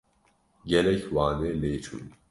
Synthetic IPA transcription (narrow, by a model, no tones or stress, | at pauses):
ɡɛlɛcʰwaːneːleːt͡ʃʰṵːn